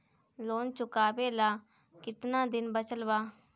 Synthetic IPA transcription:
loːnt͡ʃʊkaːbeːlaː | kɪt̪nãːd̪ɪnbət͡ʃəlbaː

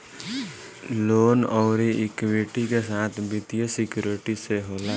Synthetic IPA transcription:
loːnɔːɾiʔɪkweʈikesaːt̪ʰbɪt̪ijəsɪkjuːɾɪʈiseɦoːla

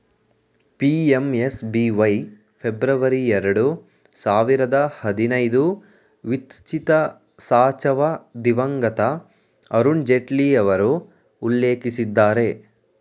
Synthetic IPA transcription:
piːemesbiːʋɐj | pʰebɾɐʋɐɾiɛɾɐɽu | saːʋiɾɐd̪ɐhɐd̪inɐjd̪u | ʋit̪t͡ʃit̪ɐ | saːt͡ʃɐʋɐd̪iʋɐŋɡɐt̪ɐ | ɐɾuɳd͡ʒeʈliɐʋɐɾuː | lːeːkisid̪ːaːɾe̞

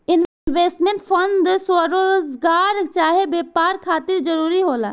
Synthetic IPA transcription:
ɪn | ʋeːsʈmẽɳʈpʰɐnd̪sʋəɾoozɡaːɾt͡ʃaːɦebeːpaːɾkʰaːt̪ɪɾd͡ʒɐɾuːɾiɦoːla̰ː

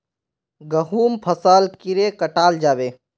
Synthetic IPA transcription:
ɡəɦuːmpʰəsaːlkiɾekəʈaːld͡ʒaːbeː

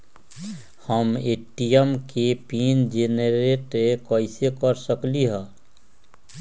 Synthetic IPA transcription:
həmeːʈijəmkepiːnd͡ʒeːneɾeːʈekəɪsekəɾsəkliɦɛ̃ː

